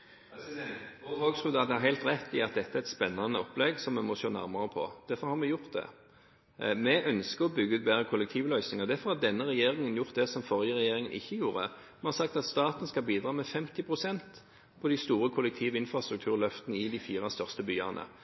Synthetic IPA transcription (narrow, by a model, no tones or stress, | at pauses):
hoːɡsʁʉd̪ɑd̪ɛhɑɦæɪlt̪ʁɛt̪ʰːɪɑt̪̚d̪ɛt̪ːəæɛt̪spɛnːɑnəɔpːlɛɡsɔmɛmɔʃøːnæ̰ʁmɑʁəpʰɔ̰d̪̥æfɔɾhɑʁmɛjʊʁt̪̚d̪ɛ̰ | mɛʔœnskəʁɔbʏɡːəʉːt̪̚beːʁəkʰʊlɛk̚t̪ʰiːʋlœʏsnɪŋəʁd̪æʁfɔɾhɑʁd̪ɛnːəʁɛjeːʁɪŋənjʊʁt̪̚d̪ɛsɔmfɔʁjəʁɛjeːɾɪŋənʔɪ̰çːəjuːɾə̰ | mɛnhɑʁsɑk̚t̪ɑt̪st̪ɑːt̪ən̩skɑlbiːd̪ɾɑːmɛfɛmt̪ɪpʰɾʊsɛnt̪ | pʰɔd̪ɪst̪uːɾʁəkʰʊlːɛk̚t̪ʰiːʋɪnfɾɑst̪ɾʉk̚t̪ʰʉːʁlœft̪nəɪd̪ɪfiːʁɑst̪œʁst̪əbyːɑnə̰